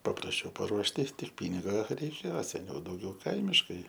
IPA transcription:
pɐprɐsʲˈt͡ʃʲɛʊ pɐˈruɔʃʲtʲɪ ˈtʲɪk ˈpʲiːnʲɪɡɐ rʲɛɪˈkʲeːoː sʲɛˈnʲɛʊ dɐʊˈɡʲɛʊ ˈkɐɪmʲɪʃkɐɪ

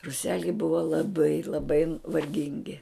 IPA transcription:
rʊˈsʲæːlʲɛɪ ˈbʊʋɐ lˠɐˈbɐɪ lˠɐˈbɐɪ ʋɐrʲˈɡʲɪŋʲɡʲɪ

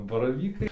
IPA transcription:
bɐrɐˈʋʲiːkɐɪ

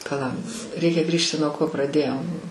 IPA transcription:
pɐˈlˠɐ ˈrʲɛɪkʲɛ ˈɡrʲiːʃʲtʲɪ nuɔ ˈkoː prɐˈdʲeːjoːm

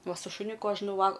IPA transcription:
ˈʋɐ sʊ ʃʊˈnʲʊkʊ ˈɐʃ nʊˈʋɐlˠ

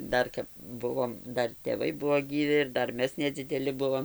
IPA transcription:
ˈdɐr kɐp ˈbʊʋoːm ˈdɐr tʲeːˈʋɐɪ ˈbuɔ ɡʲiːˈʋʲɪ ɪr ˈdɐr ˈmʲɛs nʲɛd͡zʲɪdʲɛˈlʲɪ ˈbʊʋoːm

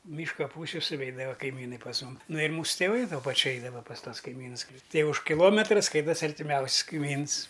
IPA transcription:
ˈmʲiːʃkɐ ˈpuːsʲʊ sʊˈʋʲɛɪdɐʋɐ kɐɪˈmʲiːnɐɪ pɐs ˈmʊm ˈnʊ ɪr ˈmuːsʊ tʲɛˈʋɐɪ tuɔ pɐˈt͡ʃʲʊ ˈɛɪdɐʋɐ pɐs ˈtuɔs kɐɪˈmʲiːnʊs klʲɪ ˈtɐɪ ʊʃ kʲɪˈlˠoːmʲɛtrɐ ˈskɐɪtɐsʲɪ ɐrʲtʲɪˈmʲɛʊsʲsʲ kɐɪˈmʲiːns

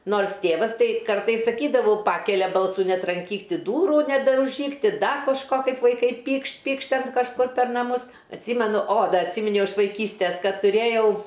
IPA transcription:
ˈnoːrs ˈtʲeːʋɐs ˈtɐɪ ˈkɐrtɐɪs sɐˈkʲiːdɐʋʊ ˈpɑːkʲɛlʲɛ ˈbɐlˠsʊ nʲɛtrɐŋʲˈkʲiːk ˈtʲɪ ˈduːrʊ nʲɛdɐʊˈʒʲiːk ˈtʲɪ ˈdɐ koːʃˈkoː ˈkɐɪp ʋɐɪˈkɐɪ ˈpʲiːkʃt ˈpʲiːkʃt ˈtʲɛn kɐʃˈkʊr pʲɛr nɐˈmʊs ɐtʲˈsʲiːmʲɛnʊ oː ˈdɐ ɐtʲˈsʲiːmʲɪnʲɛʊ ɪʃ ʋɐɪˈkʲiːsʲtʲɛs ˈkɐt tʊˈrʲeːjɛʊ

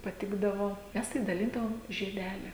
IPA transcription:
pɐˈtʲɪɡdɐʋoː ˈmʲɛs tɐɪ dɐˈlʲɪndɐʋoːm ʒʲiɛˈdʲæːlʲɪ

